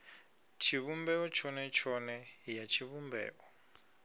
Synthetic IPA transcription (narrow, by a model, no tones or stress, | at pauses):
t͡ʃʰiβumbɛɔt͡ʃʰɔnɛt͡ʃʰɔnɛjat͡ʃʰiβumbɛ̰ːʔɔ